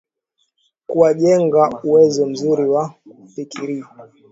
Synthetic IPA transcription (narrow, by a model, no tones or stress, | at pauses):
kuwaʄɛŋɡauwɛzɔm̩zuɾiwa | fikiɾia